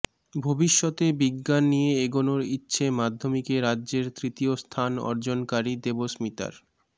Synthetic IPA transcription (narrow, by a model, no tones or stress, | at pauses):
bʱobiʃːot̪ebiɡːanːijeeɡonoɾitːɕʰemad̪ʱːomikeɾadːʑeɾt̪ɾit̪iost̪ʰanɔ̰ɾd͡ʑonkaɾid̪ebosmit̪a̰ɾ